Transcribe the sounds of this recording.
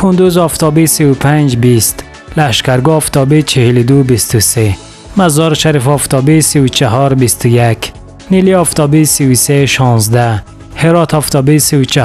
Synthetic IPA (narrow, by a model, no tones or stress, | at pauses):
kʰund̪uzɔft̪ʰɔbisiwupʰand͡ʒbist̪ | laʃkaɾɡɔɔft̪ʰɔbit͡ʃʰihilud̪ubist̪use | mazɔɾʃaɾifɔft̪ʰɔbisiwut͡ʃʰaɦɔɾbist̪ujak | niliɔft̪ʰɔbisiwseʃɔnzd̪a | heɾɔt̪ʰɔft̪ʰɔbisiwut͡ʃʰa